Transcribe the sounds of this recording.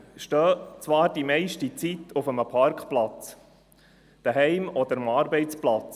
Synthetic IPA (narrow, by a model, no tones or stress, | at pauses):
ʃtøːt͡sʋɑːɾd̥imɛɪʃtit͡sit̪ʰʊfəməpʰɑɾkχplɑt͡s | d̪̥əɦɛɪmɔd̥̪əɾəmɑːɾbɛɪt͡splat͡s